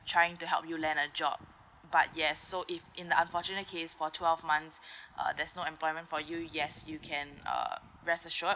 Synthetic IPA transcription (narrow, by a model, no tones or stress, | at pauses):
tʰɹaɪɪ̃ŋtuɦɛ̰lˠpjulɛ̃nəd͡ʒɔ̰b̚ | ba̰t̚jɛsːoʔɪfɪ̃ndəãnfɔt͡ʃunət̚kʰesfɔtʰwɛlvmãnsʔʌ̰dɛsnoɛ̃mplɔɪmə̃ntfɔjujɛsjukʰɛ̃nʌ̰ | ɹɛsəʃɔ